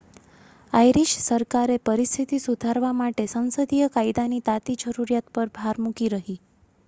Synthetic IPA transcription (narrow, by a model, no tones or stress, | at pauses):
ajɾiʃsəɾkaɾepəɾist̪ʰit̪isud̪ʱaɾʋamaʈesə̃nsəd̪ʱijəkaid̪anit̪at̪id͡ʒəɾuɾjat̪pəɾbʱaɾmukiɾəɦi